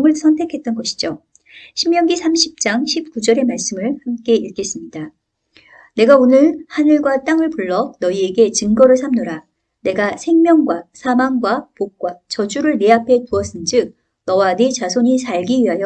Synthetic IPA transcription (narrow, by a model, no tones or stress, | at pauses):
ŋɯɭsʰʌntʰe̞kʰe̞t͈̚ʌnɡʌɕʰi̥d͡ʑo | ɕʰimmjʌŋɡisʰamɕʰip̚t͡ɕ͈aŋɕʰip̚k͈ud͡ʑʌɾe̞maɭs͈ɯmɯɭhamk͈e̞iɭk͈e̞s͈ɯmɲida | ne̞ɡaonɯɭhanɯɭɡwat͈aŋɯɭpuɭːʌnʌie̞ɡe̞t͡ɕɯŋɡʌɾɯɭs̬ʰamnoɾa | ne̞ɡasʰe̞ŋmjʌŋɡwasʰamaŋɡwapok̚k͈wat͡ɕʌd͡ʑuɾɯɭneapʰe̞tuʌs͈ɯnd͡ʑɯk̚ | nʌwanet͡ɕasʰoɲisʰaɭɡiɥiɦajʌ